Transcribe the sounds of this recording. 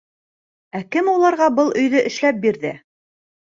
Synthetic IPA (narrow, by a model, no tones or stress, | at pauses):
ækɘmulˠɑɾʁɑbɤlˠʔɵ̆jðɵʔɘ̆ʃlæp̚biɾðɘ